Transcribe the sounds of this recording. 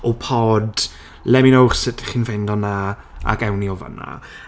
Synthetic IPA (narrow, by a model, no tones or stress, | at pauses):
ɔpʰoːd | lɛmɪnowχsɪtʰi̥χiːnfendɔna | a̰ɡɛwniova̰nːa̰